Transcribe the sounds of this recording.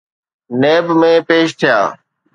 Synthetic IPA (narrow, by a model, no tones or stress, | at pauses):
neːbmẽːpeːʃt̪ʰɪja̰ː